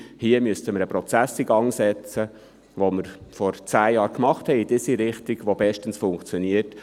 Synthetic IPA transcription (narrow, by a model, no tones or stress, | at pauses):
hiəmyəstəməɾəpɾɔt͡sæsiɡɑŋsɛt͡sə | ʋoməɾfɔɾt͡sæːjɑːɾkmɑχthɛɪid̥isiɾɪχt̪iɡʋobɛʃtənsfʊŋkt͡sjɔniət